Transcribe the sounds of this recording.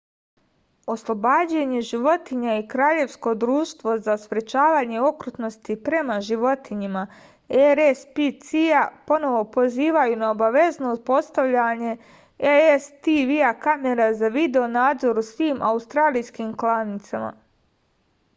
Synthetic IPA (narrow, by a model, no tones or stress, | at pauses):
o̞slˠo̞baːd͡ʑeɲeʒiʋo̞t̪iɲaikɾaːʎe̞ʋsko̞d̪ɾuːʃt̪ʋo̞zaspɾet͡ʃaːʋaːɲe̞o̞kɾut̪no̞st̪ipɾe̞maʒiʋo̞t̪iɲima | eɾespit̪siapo̞no̞ʋo̞po̞ziːʋajunaobaʋe̞znopo̞st̪aʋʎaɲe̞ | eest̪iʋiakame̞ɾazaʋid̪eo̞naːd̪zo̞ɾusʋiːmʔaust̪ɾaːlijskimklˠanit̪sama̰